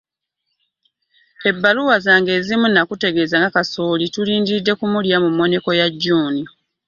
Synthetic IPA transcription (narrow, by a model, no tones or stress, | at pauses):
e̞bːaluwazaːŋɡe̞ːzimunːakute̞ɡe̞ːzaŋɡakaso̞ːlituliːndidːe̞kumuljamumːo̞ne̞ko̞jaɟːuːni